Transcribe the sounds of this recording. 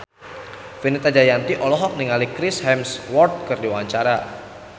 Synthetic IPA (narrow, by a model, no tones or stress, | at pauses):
finit̪ad͡ʒajant̪iʔɔlɔɦɔk̚niŋalikɾishɛmswɔrt̪̚kɨrdiwaɲt͡ʃaɾa